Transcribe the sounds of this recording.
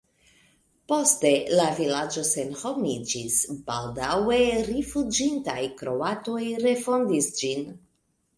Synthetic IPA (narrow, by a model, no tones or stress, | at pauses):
po̞ste̞lavilad͡ʒo̞senho̞mid͡ʒisbaldawe̞ɾifud͡ʒintajkɾo̞ato̞jɾe̞fo̞ndisd͡ʒin